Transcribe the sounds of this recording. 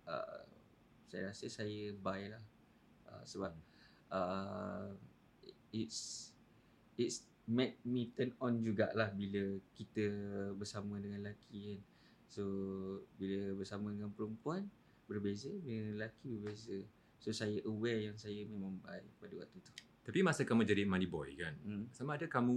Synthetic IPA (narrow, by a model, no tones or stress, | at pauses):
ʔə̰ | sajəɾasəsajəbajlah | ʔə̰səbap̚ | ə | its | its | mɛ̃t̪̚mĩt̪ənɔnd͡ʒuɡa̰ʔlahbiləkit̪əbərsamə̃dəŋanlakʰian | sobiləbərsamə̃dəŋanpəɾəmpuan | bərbezədəŋanlakibərbezə | sosajəʔəwɛjaŋsajəmẽmãŋbaipadəwa̰k̚t̪ut̪u̥ | t̪apimasəkamũd͡ʒadimanibɔ̰jkan̩samãːdəkamũ